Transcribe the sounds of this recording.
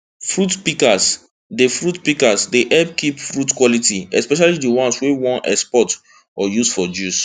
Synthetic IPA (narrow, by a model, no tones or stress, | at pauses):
fɹutpikas | defɹutpikasdeʔɛp̚kipfɹutkwɔlitiɛspɛʃ̬alidiwɔ̃nswewɔ̃nʔɛ̰kspɔt | ajusfɔd͡ʒus